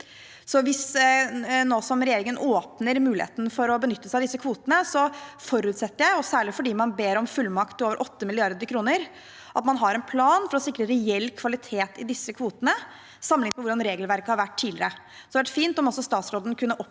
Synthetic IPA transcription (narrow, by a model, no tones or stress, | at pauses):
sɔʋɪs | noːsɔmɾɛjeːɾɪŋənʔoːpnəɾmʉːlɪhḛːt̪n̩fɔɾɔbənʏt̪ːəsæɪɑd̪ɪsːəkʰʋuːt̪ənəsɔfɔɾʉːt̪sɛt̪ːəɾjæɪɔsæːɭɪfɔɖiːmɑnbeːɾɔmfʉlːmɑkt̪oːʋəɾʔɔt̪ːəmɪlɪɑɾd̪əɾkʰɾuːnəɾ | ʔɑt̪mɑnɦɑɾɛnpʰlɑːnfɔɾɔsɪkːɾəɾɛɛlːkʰʋɑlɪt̪ʰeːt̪ɪd̪ɪsːəkʰʋuːt̪ənə | sɑmːlɪŋpɔʋʊɖɑnɾeːɡlʋæɾkəhɑɾʋæʈʰːiːdlɪɾə | sɔd̪ɛʋæʈfiːnt̪ɔmɔsɔst̪ɑːt̪sɾoːd̪ənkʰʉnːəʔɔp